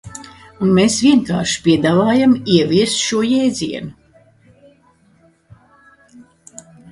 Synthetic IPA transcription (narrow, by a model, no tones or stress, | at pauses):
unmeːsvʲiɛŋka̰ːɾʃi̥pʲiɛd̪aːvaːjamiɛvʲiɛst̪ʃuɔjɛjd̪zʲiɛnu